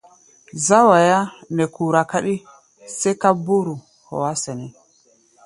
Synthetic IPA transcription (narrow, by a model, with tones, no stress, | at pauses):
za˦wa˨ja˦nɛ˨ku˨ɾa˨ka˦ɗi˦ | sɛ˦ka˦bu˦ɾu˨ | hɔ̰˨wa˦sɛ˨nɛ˨